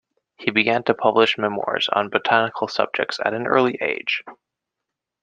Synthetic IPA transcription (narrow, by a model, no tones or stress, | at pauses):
hibɨɡæ̃ntʰɨpʰʌblɨʃmɛmwɔ̰ɹz̥n̩bɨtʰænɨkʰl̩ˠsʌ̰b̚d͡ʒɨ̰k̚tsɨ̰ɾ̃n̩ɜ̰˞lˠiʔḛɪd̥ʒ̥